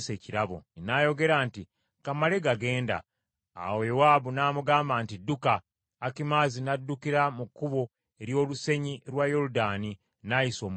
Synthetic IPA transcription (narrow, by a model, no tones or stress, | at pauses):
seciɾaβo̰najo̞ɡe̞ɾaːnti | kamale̞ɡaɡe̞ːnda̰ː | wojowabunaːmuɡaːmbaːntidukaː | kimaːzinadːukiɾamukːuβo̞ | e̞ɾjo̞ːluse̞ɲiɾwajo̞ɾudaːni | najiso̞ːm